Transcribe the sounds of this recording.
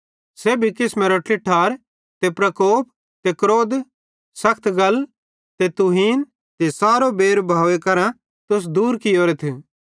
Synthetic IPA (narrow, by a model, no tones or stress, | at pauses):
seːbʱikɪsmeːɾoʈʰɪʈʰaːɾ | t̪epɾɐkoːp̚ | t̪ekɾoːd̪ | sɐkʰt̪ɡɐl | t̪et̪uɦiːn | t̪esaːɾobeːɾbʱaːʋekɐɾã | t̪ʊs̬d̪uːɾkɪjoːɾet̪ʰe